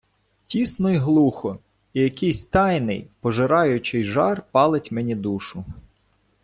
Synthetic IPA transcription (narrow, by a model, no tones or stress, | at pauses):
tʲisnɔjɦlˠuxɔ | ijɐkɪjsʲt̪ɑjnɪ̰jpɔʒɪɾɑjʊt͡ʃɪjʒɑrpɑlˠɪtʲmɛnʲid̪uʃʊ